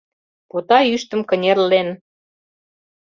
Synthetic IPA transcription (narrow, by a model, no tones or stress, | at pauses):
pot̪ɑyʃt̪ə̆mkə̆nʲerlen